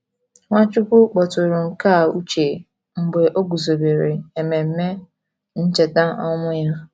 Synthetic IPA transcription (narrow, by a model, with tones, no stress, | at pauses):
ŋʷa˦t͡ʃu˦kʷu˦k͡pɔ˨tʊ˨ɾʊ˨ŋ̩˨ka˦˨u˦t͡ʃe˨ | ŋ͡m̩˨ɡ͡be˨ʔo˦ɡu˨zo˨be˨ɾe˨e˨me˨m̩˦me˦ | n̩˦t͡ʃe˨ta˦ɔ˦mʊ˦ja˦